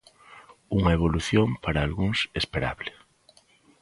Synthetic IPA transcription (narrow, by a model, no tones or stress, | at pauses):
uŋɐeβ̞oluθjompaɾaːlɣuŋsespeɾa̰βle